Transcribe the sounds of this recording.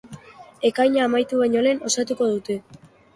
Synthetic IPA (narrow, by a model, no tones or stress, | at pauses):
e̞kajɲaːmajt̪uβaɲo̞le̞ːno̞sat̪uko̞ð̞ut̪e̞